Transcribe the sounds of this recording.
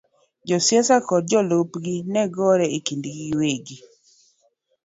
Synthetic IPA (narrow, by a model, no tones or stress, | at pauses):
d͡ʒɔsjɛsakɔd̚d͡ʒɔlopɡinɛɡɔɾɛikindɡiweɡi